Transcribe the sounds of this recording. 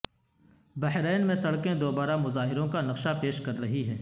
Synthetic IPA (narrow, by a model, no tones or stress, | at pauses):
bɐɦɾɛːnmẽsɐɽkẽd̪oːbaːɾamʊzaːɦɪɾõkanɐqʃapeːʃkɐɾːɐɦiɦɛː